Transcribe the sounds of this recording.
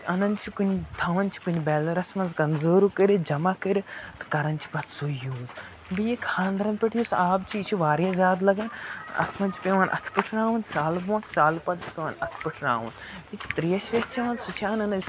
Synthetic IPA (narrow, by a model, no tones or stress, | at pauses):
ɐnɐnt͡ʃʰikunʲt̪ʰɐʋɐnt͡ʃʰi̥kunʲibɛːlɐɾɐsmɐnzkɐmzoːɾukəɾid͡ʒɐmakɐɾʲit̪ɐ̥kɐɾɐnt͡ʃʰi̥bɐt̪sujuːz | bijikʰãːnd̪ɾɐnpʲeʈʰijusaːbt͡ʃʰiːt͡ʃʰuʋaːɾijɐzʲjaːd̪lɐɡɐnɐ̰t̪ʰmɐnt͡ʃi̥pʲeːʋɐːnʔɐ̰t̪ʰpɨʈʰɾaːʋunsaːlbõːt̪ʰsaːlpɐd̪t͡ʃʰi̥pʲeʋɐnɐt̪ʰpɨʈʰɾa̰ːʋun | bit͡ʃʰi̥t̪ɾijɐʃʋet͡ʃʰɐʋɐnsut͡ʃʰaːnɐnɐs